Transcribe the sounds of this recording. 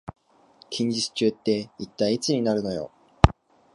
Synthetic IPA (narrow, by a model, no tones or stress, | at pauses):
kʲʰĩɲ̟d͡ʑit͡sɨ̥t͡ɕɨːt̪ːe̞it̪ːaiit͡sɨɲ̟inaɾɯ̟no̞jo̞̰